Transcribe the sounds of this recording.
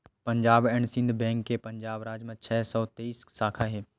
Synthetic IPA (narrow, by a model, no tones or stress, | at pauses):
pɐɲd͡ʒaːbɛɳsɪ̃nd̪ʱbɛ̃ːŋkːepɐ̃ɲd͡ʒaːbɾaːd͡ʒmẽt͡ʃʰɛːsɔːt̪eiːssaːkʰaɦeː